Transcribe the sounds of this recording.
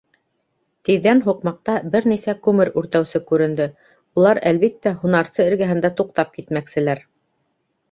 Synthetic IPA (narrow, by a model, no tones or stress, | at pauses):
t̪iðːænɦuqmɑq̚t̪ɑbɘɾnisækʉmɘɾʉɾt̪æwsɘkʉɾɘ̆nd̪ɘ | ulˠɑɾælβik̚t̪ːæhunɑɾsɤɘ̆ɾɡæɦɘ̆nd̪æt̪uqt̪ɑp̚kit̪mæksɘ̆læɾ